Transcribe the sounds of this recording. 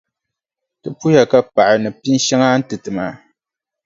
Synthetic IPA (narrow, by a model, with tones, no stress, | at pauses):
tɨ˦pu˦ja˨ka˦pa˨ʔɪ˨nɨ˨pi˦n˦ʃa˦ŋa˦n̩˦tɨ˨tɨ˨maː˨